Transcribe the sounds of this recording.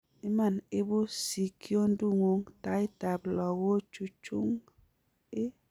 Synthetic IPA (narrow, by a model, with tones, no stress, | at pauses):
i˦ma˨nɪ˦bu˦si˨kjo˦n˦du˦ŋo˦ŋta˨˦i˦ta˨blɔ˨ɡo˦t͡ʃu˨t͡ʃu˦ŋ | ɪ˦